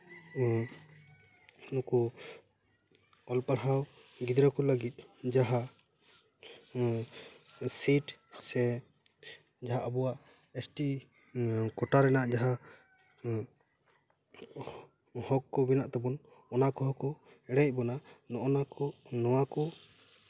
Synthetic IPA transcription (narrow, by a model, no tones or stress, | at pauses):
nɔkɔ | ɔlpaɽɦawɡid̪ɾɔkɔləɡit̪̚ˀd͡ʒaɦa | siʈsɛ | d͡ʒaɦaʔabɔwaʔ | esʈi | kɔʈaɾɛnaʔd͡ʒaɦa | hɔkːɔbinaʔt̪ɛbɔn | ɔnakɔɦɔkɔ | ɛɽɛc̚ˀbɔnanɔʔɔnakɔnɔwakɔ